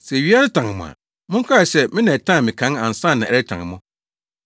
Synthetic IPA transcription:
sɛ˨ɥi˦a˦nɪ˦tʰã˨ŋ˨mʊ̰̃˨ã̰˨ | mʊ̃˦ŋ̩˦kʰa˦˨ɕɛ˦mɪ̃˦nã˨tʰã˦˨mɪ̃˨kʰã˨˦nã˨n˨sã˦˨nːã˨æ˨ɾɛ˦tʰã̰˨ŋ˨mʊ̃˦

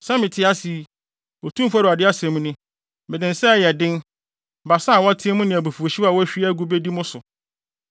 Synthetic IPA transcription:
sɛ˦mɪ̃˨tʰɪ˦a˦si˨˦ | o˨tʰũ˦fu˦a˦ɾʊ˨a˨dɪ˦a˦sɛ̃˨mũ˦nɪ̃˦ | mɪ̃˨dɪ̃˨n̩˨sɛ˦˨jɛ˨dɪ̃˦n | ba˨sa˦a˨wɔ˦a˦tʰɪ̃˦mʊ̃˦nɪ̃˨æ˨bu˨fu˨o˨ɕi˦wa˦˨wɔ˦ɕᶣi˦æ˦ɡu˦be˦di˦mʊ̃˦sʊ˨

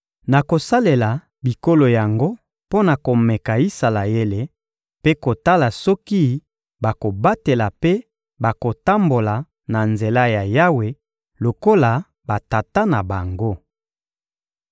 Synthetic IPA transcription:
na˨ko˨sa˦le˨la˨ | bi˨ko˦lo˨ja˨ŋɡo˦ | po˦na˨ko˨mɛ˨ka˨i˦sa˨la˨je˦le˨ | pe˦ko˨ta˦la˨sɔ˦ki˦ | ba˨ko˨ba˦te˨la˨pe˦ | ba˨ko˨ta˦mbo˨la˨ | na˨nze˨la˦ja˨ja˦we˨ | lo˨ko˦la˨ | ba˨ta˨ta˦na˨ba˨ŋɡo˦

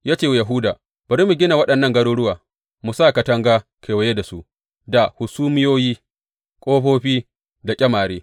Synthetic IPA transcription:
jaː˦t͡ʃeː˦˨wjɐ˨ɦʊ˦daː˨ | b̥ɐ˨ɾiː˦mu˨ɡʲɪ˦na˨wɐ˦ɗɐ˨nːɐ˦˨ŋɡɐ˦ɽuː˦ɽʊ˦waː˨ | mu˨saː˦˨ka˨tɐ˦ŋɡaː˦kʰeː˨wɐ˨je˦da˨su˦ʔ | da˨hʊ˨suː˦mɪ˦joː˦jiː˦ | kʷʼoː˦ɸoː˦ɸiː˦ | da˨kʲʼɐ˦maː˨ɾeː˦

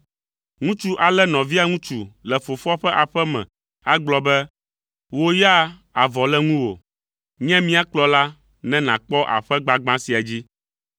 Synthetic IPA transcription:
ŋũ˦t͡ʃu˦ʔa˨lɛ˦nɔ̃˨vi˦a˨ŋũ˦t͡ʃu˨lɛ˨fo˨fɔ˦ɸɛ˦ʔa˨ɸɛ˦mɛ̰̃˨ | a˦ɡ͡blɔ˦bɛ˦ | wo˦ja˦a˨vɔ˨lɛ˦ŋũ˦wo̰˨ | ɲɛ̃˦mĩ˦a˨k͡plɔ˦la˦ | nɛ̃˦nã˨k͡pɔ˦ʔa̰˨ɸɛ˦ɡ͡ba˦ɡ͡bã˦si˨a˨d͡ʑi˦

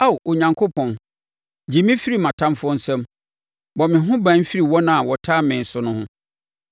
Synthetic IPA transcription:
a˦˨wʔo˨ɲã˨ŋkʰo˦pʰɔ̃˨n | d͡ʑi˨mĩ˦fi˦ɾi˦˨mã˨tʰã˦mfʊ˦ɔ˦n̩˦sɛ̃˦m | bɔ˨mɪ̃˨ɦʊ̃˦bã˨˦n̩˦fi˦ɾi˨wɔ˦nã˨a˨wɔ˨tʰaː˦mɪ̃˨n̩˨sʊ˨nʊ̃˦hʊ̃˦

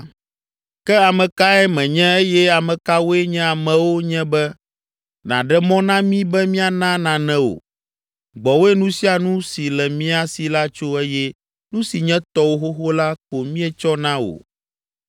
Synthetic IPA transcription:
kɛ˦a˨mɛ̃˨ka˦ɛ˦mɛ̃˨ɲɛ̃˦e˦jɛ˦a˨mɛ̃˨ka˦wo˦ɛ˦ɲɛ̃˦a˨mɛ̃˨wo˦ɲɛ̃˦bɛ˦ | nã̰˨ɖɛ˦mɔ̃˦nã˦mĩ˦bɛ˦mĩ˦a˨nã˦nã˨nɛ̃˦wo̰˨ | ɡ͡bɔ˨wo˦ɛ˦nũ˦si˦a˨nũ˦si˨lɛ˨mĩ˦a˨si˨la˦t͡ʃo˦ɛ˦jɛ˦ | nũ˦si˨ɲɛ̃˦t̪ɔ˦wo˦xo˦xo˦la˦ko˨mĩ˦ɛ˦t͡ʃɔ˦nã˦wo̰˨

